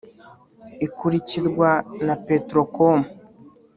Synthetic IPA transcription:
ikuɾiciɾɡwanape̞tɾokomu

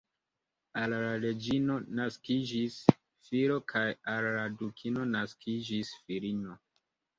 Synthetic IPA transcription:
alɾaɾe̞d͡ʒino̞naskid͡ʒis | fiɾo̞kʰajalːadukʰino̞naskʰid͡ʒisfiɾino̞

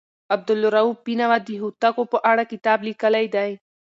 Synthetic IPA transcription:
ɐb̚d̪əlːoɾɐuːb̚pinaʋad̪iɦut̪akopoʔaːɽakit̪aːblikɐlajd̪aːĩ

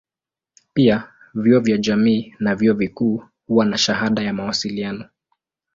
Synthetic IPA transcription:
pia | viɔvjaʄamiːnaviɔvikuː | huwanaʃahaɗajamawasilianɔ

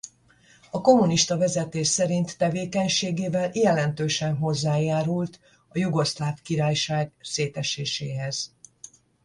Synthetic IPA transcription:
ɒko̞muniʃt̪ɒvɛzɛt̪eːʃsɛɾint̪ːɛveːkɛɲʃeːɡeːvɛljɛlɛnt̪øːʃɛnɦo̞zːaːjaːɾult̪ | ɒjuɡo̞slaːfkiɾaːjʃaːɡseːt̪ɛʃeːʃeːɦɛz̥

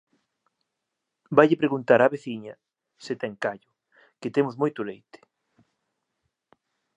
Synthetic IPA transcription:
bajʎɪpɾeɣunt̪aɾaβeθiɲɐ | sɪt̪ɛŋkaʎʊ | kɪt̪emʊzmojt̪ʊlejt̪ɪ̥

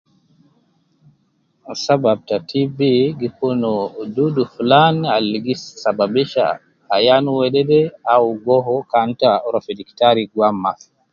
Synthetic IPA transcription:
sabab̚tatʰibiɡikɔnɔduduflanaliɡisːababiʃa̰ː | januwɛɗɛdɛawɡɔɦɔkantaɾɔfidiktaɾiɡwamːaf

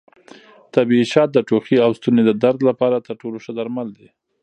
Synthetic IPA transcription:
t̪abiiʃɑt̪̚d̪əʈoxiawst̪uned̪əd̪aɾd̪lapɑɾat̪əɾʈoloʃəd̪aɾmald̪i

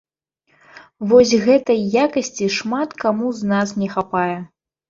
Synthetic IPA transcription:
vɔsʲɣɛt̪ɐjjːakɐsʲt͡sʲiʂmat̪kamuznasnʲɛxapajɛ

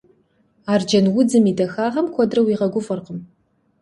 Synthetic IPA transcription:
aːrd͡ʒɐnwʊd͡zɨmiːdɐxaːʁɐmkʷʰɔdrɐwiːʁɐɡʷʊfɐrqəm

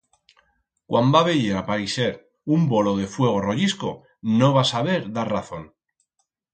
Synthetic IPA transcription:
kwʔambaβe̞ʝeɾapaɾise̞ɾ | umbo̞lo̞ð̞e̞fwe̞ɣ̞o̞roʝisko̞ | no̞β̞asaβ̞e̞ɾðaɾraθo̞n

